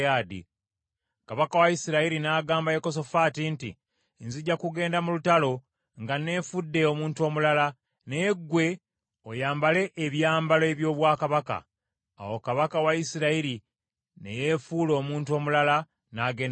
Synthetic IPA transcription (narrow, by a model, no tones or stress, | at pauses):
aːdḭ | kaβakawajisiɾaiɾinaːɡaːmbajeko̞s̬o̞fatinti | nziɟːakuɡe̞ːndamulutalo̞ | ŋɡane̞ːfudːe̞o̞muːntuo̞ːmulala | neɡːwe̞ | ojaːmbale̞ʔːβjaːmbaloeβjo̞ːβwaːkaβaka̰ː | wo̞kaβakawaisiɾaiɾi | ne̞̰jefuːlo̞ːmuːntuo̞ːmulala | naːɡe̞ːn